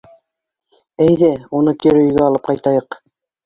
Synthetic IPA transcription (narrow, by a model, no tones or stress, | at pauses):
æjðæunɤkiɾɵ̆jɡæɑlˠɤp̚qɑjt̪ɑjɤq